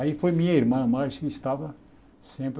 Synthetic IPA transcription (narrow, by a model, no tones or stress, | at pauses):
aifojmĩɲɐiɾmɐ̃maʃkɪɪʃt̪avɐ | sẽpɾ